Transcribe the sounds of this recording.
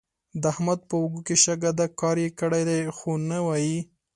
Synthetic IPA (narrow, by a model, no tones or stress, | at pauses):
d̪əahmad̪̚pəʊɡukeʃaɡad̪akɑɾjekəɽajd̪ajxonawɑji